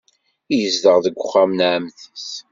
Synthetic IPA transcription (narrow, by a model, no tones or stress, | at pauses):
ijəzdəʁðəɡʷːʊχːamnʕəmθəs